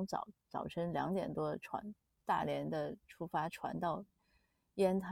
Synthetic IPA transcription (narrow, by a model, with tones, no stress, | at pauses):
ŋt͡sɑ̰˨˩t͡sɑ˨˩ʊʈ͡ʂʰɤ˥ŋljɑ˧˥ŋt̪jɛ̰˨˩nt̪wɔ˥ʈ͡ʂʰwa̰˧˥n | t̪a̰˥˩ljɛ˧˥nd̪ə˧ʈ͡ʂʰu˥fa˥ʈ͡ʂʰwa̰˧˥nt̪ɑ˥˩ʊ | jɛ˥nt̪ʰa˥